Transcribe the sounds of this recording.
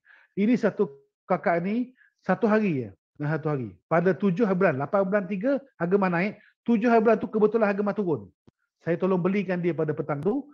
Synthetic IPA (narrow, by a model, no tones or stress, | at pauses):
inisat̪u | kakaʔni | sat̪uɦaɾijə̰ | əsat̪uɦaɾḭpadat̪ud͡ʒʊɦaɾibulanlapanbulant̪iɡəhaɡəmanãɪʔ | t̪ud͡ʒʊɦaɾibulant̪ukəbət̪ulanɦaɡəmãt̪uɾʊn | sajat̪olɔŋbəlikandiəpadapət̪aŋt̪u